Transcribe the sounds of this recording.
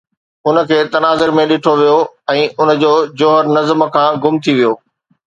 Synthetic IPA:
ʊnə̆kʰeːt̪ɐnaːzɪɾmẽɗɪʈʰoʋijoɛ̃ːʔʊn̆d͡ʑoːd͡ʑoːɦəɾnɐzmkʰãːɡʊmt̪ʰiʋijoː

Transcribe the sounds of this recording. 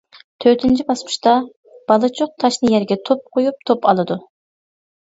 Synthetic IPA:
t̪ʰøt̪ʰynt͡ʃʰibɑsmʊ̥ʃt̪ɑ | b̥ɑlˠɨt͡ʃʰoq̚t̪ʰɑʃnɨjɛɾɡʲɛt̪ʰop̚qʰojup̚t̪ʰopɑlˠɨd̪u

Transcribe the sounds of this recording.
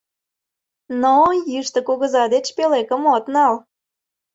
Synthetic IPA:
nojiʃt̪ə̆kuɣə̆zɑd̪et͡ɕpelekə̆mot̪nɑl

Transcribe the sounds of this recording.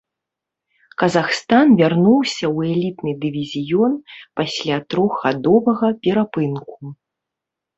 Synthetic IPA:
kɐzaxst̪anvʲarnuwsʲɐwɛlʲit̪nɨd̪ɨvʲizʲijɔnpasʲlʲat̪ɾɔɣɣad̪ɔvɐɣɐpʲɛɾapɨnku

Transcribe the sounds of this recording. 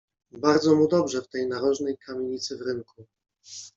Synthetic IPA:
baɾd̪zɔmud̪ɔbʐɛft̪ɛjnaɾɔʐnɛjkʰamʲeɲit̪sɘvɾɘŋku

